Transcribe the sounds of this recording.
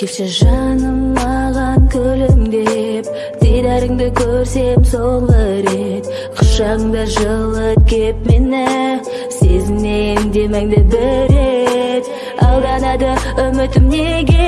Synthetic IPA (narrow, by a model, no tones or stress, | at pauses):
kʲʰepʃeʒɑnəmːɑʁɑŋkʲʰɵlɪŋd̪ep̚ | d̪̥ejd̪æɾɪŋd̪ɪkʲʰɵɾse̞msolˠəɾe̞t̪ | qʰə̥ʃʃɑʁəɴd̪ɑʒəlˠəkʲʰep̪̚menɪ | sezɪmne̞end̪e̞meŋd̪ebɪɾet̪ | ɑlˠd̪ɑnɑd̪əʏmɪt̪ɪmne̞ɡʲe